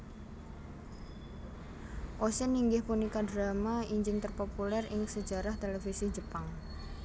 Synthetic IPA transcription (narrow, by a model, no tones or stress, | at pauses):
ʔosɛniŋɡɪhpunikadɾamaiɲd͡ʒɪŋt̪ərpopulɛrɪŋsəd͡ʒa̤ɾaht̪elefisid͡ʒəpaŋ